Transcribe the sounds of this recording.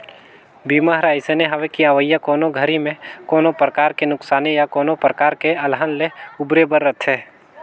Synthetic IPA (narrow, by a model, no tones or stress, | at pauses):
biːmaɦɾaːɪsəneɦɐʋekiəʋəjːəkɔːnoɡʱəɾimẽkɔːnopɾəkaːɾkenʊksaːnejakɔːnopɾəkaːɾkeɐlɦənleʊbɾebəɾːət̪ʰeː